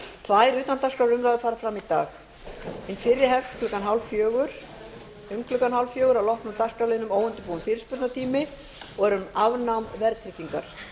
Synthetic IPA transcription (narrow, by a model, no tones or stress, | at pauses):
t̪ʰvaðɛɾʏːt̪ant̪askɾawɾʏmɾaðɪfaːɾafɾamit̪a̰ːx | ɪnfɪɾːɪɾɦɛft̪kʰlʏkanɦawlfjœːɣʏɾ̥ | ʏmkʰlʏkanɦhawlfjœːɣʏɾawlɔhpnʏɾt̪askɾawlɪnʏmoːwʏnt̪ɪpuwʏnfɪːɾɪ̥spʏɾt̪nat̪ʰiːmɪ | ɔɛɾʏmavnawmvɛɾtt̪ʰɾɪciŋka̰ɾ̥